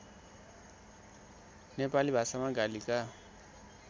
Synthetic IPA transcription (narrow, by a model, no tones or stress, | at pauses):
nepalibʱasamaɡalika